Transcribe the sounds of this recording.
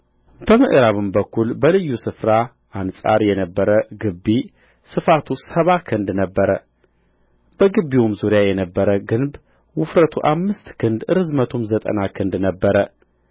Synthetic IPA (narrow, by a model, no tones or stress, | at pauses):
t̪əmɨʔɾaβɨmbəkːulbəlɨjːusɨfɾa | ʔansʼa̰ɾjɛnəbːəɾəɡɨbːi | sɨfat̪ʰusəβakʰɨnd̪nəbːəɾə | b̥əɡɨbːiwomzuɾijajɛnəbːəɾəɡɨnb | wʊfɾət̪ʰuʔamːɨst̪kʰɨnd̪ɨɾɨzmət̪ʰumzət̪ʼə̰nakʰɨnd̪nəbːəɾə